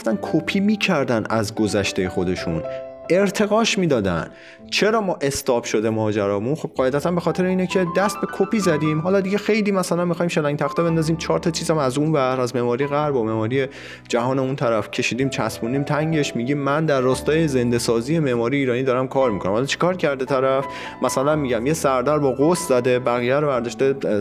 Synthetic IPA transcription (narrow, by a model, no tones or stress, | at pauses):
oft̪ænkʰopʰiːmiːcʰæɾd̪ænæ̰zɡozæʃt̪ejexo̞d̪e̞ʃṵne̞ɾt̪ʰe̞ɣɒːʃmiːd̪ɒːd̪æ̰nd̪ | t͡ʃʰe̞ɾɒːmɒːʔe̞st̪ɒːbʃo̞d̪e̞mɒːd͡ʒæɾɒːmunxob̚ɢɒːje̞d̪æt̪ʰænbexɒːt̪ʰe̞ɾeiːnecʰe̞d̪æst̪̚be̞kʰopiːzæd̪iːmɦɒːlɒːd̪iɟe̞xe̞jliːmæsælænmixɒːiːmʃelæŋɟ̚ʲt̪ʰæxt̪ebe̞nd̪ɒːziːmt͡ʃʰɒːɾt̪ʰɒt͡ʃʰiːzæmæzunvæɾæzmeːmɒːɾijeɣæɾbome̞hmɒːɾije̞ | d͡ʒæɦɒːne̞unt̪ʰæɾæfcʰe̞ʃiːd̪iːmt͡ʃʰæsbund̪iːmt̪ʰæŋɟe̞ʃmiːɟiːmːænd̪æɾːɒːst̪ɒːjeze̞nd̪e̞sɒːzije̞meːmɒːɾijeiːɾɒːnid̪ɒɾæmkʰɒːɾmikonæmhɒlːt͡ʃʰi̥kʰɒːɾcʰæɾd̪et̪ʰæɾæf | mæsælænmiɟæmjesæɾd̪æɾbɒːɣost̪zæd̪e̞bæɣiːjæɾovæɾd̪ɒːʃt̪e